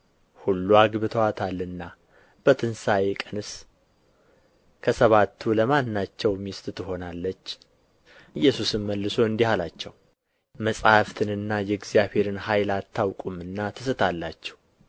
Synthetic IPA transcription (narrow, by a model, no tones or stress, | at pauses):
hulːuaɡbɨt̪ʰəwat̪ʰalːɨnːa | b̥ət̪ʰɨnsaekʼənɨs | kʰəsəβat̪ʰːuləmanːat͡ʃːɛwmist̪ʼt̪ɨɦo̞nalːət͡ʃː | ɨjːɛsusɨnməlːɨso̞ɨnd̪ihalat͡ʃːɛw | məsʼhaft̪ʰɨnɨnːajɛɡzijaβhe̞ɾɨnhajlat̪ʰːawkʼumɨnːat̪ʰɨsɨt̪ʰalːat͡ʃːɛ̥w